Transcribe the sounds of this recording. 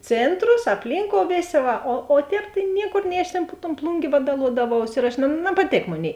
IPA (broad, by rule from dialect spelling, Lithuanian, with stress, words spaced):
ˈt͡sʲeːntroːs ɐpʲˈlʲiːŋkoːʊ ˈʋʲeːˌsʲeː ˈʋɐ oː oː ˈtʲɛːp tɐɪ ˈnʲiɛkoːr nʲɛɪ ɐʃ tʲeːn pʊ toːn ˈplˠʊŋʲɡʲeː ˈʋɑːdɐlˠuɔdɐˌʋɐʊs ɪr ɐʃ nɐ nɐpɐˈtʲeːk ˈmoːˌnʲeːɪ